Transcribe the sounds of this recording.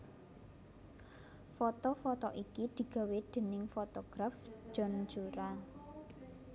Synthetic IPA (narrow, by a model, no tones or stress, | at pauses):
fɔt̪ɔfɔt̪ɔʔikid̪̥i̤ɡ̥a̤wed̪̥e̤nɪŋfɔt̪ɔɡ̥ɾafd͡ʒ̥ɔ̤nd͡ʒuɾa